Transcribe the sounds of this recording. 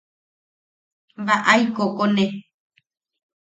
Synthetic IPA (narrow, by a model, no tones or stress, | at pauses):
βaʔajkokonẽ